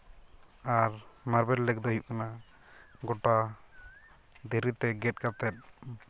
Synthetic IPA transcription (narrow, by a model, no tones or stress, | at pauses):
aɾmaɾbɛɾlɛk̚d̪ɔɦjuʔ̚kana | ɡɔʈa | d̪iɾit̪ɛɡɛt̚kat̪ɛt̪̚